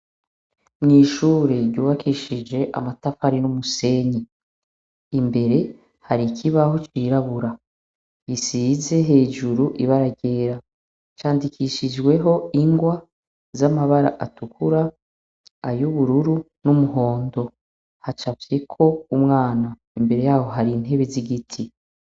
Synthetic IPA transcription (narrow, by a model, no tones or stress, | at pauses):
mŋiːʃuːɾe̞ɾɟuːβakʰiʃid͡ʒe̞ʔa̰matafaɾinumuse̞ɲe | imbe̞ɾe̞ | haɾikʰiβahot͡ʃiːɾaβuɾa | jisize̞ɦe̞ːd͡ʒuɾuʔiβaɾaɟe̞ːɾa | t͡ʃaːndikiʃid͡ʒɡwe̞ɦo̞iŋɡwa | zamaβaɾa̰ʔatukuɾa | ajuβuɾuɾu | numuɦo̞ːndo̞ | hat͡ʃavje̞kʰo̞umŋaːna | imbe̞ɾe̞jaːho̞ɦaɾin̥he̞βeziɡitʰi